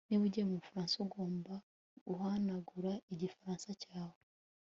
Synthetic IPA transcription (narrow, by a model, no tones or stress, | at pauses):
niβuɟiemuβufaɾaːnsuɡo̞ːmba | ɡuɦanaɡuɾaiɟifaɾaːnsacaːwe